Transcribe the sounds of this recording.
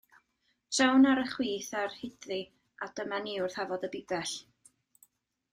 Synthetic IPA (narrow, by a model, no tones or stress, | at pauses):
tʰɛwnaɾəχwiːθarhɪdri | ad̥əmaniʊrθavɔðəbɪbɛɬ